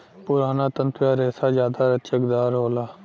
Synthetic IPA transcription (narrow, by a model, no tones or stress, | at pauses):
pʊɾaːnaːt̪ənt̪ʊjaːɾeːsaːzjaːd̪aːɾətt͡ʃəkd̪aːɾɦoːlaː